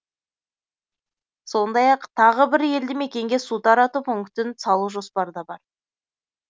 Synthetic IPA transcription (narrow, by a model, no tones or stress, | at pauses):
so̞nd̪ɑjɑqt̪ʰɑʁəbɪɾje̞ld̪ɪme̞kʲe̞ŋɡʲe̞sut̪ɑɾɑt̪upʰʊŋkt̪ɪnsɑlˠuʒo̞spɑɾd̪ɑbɑɾ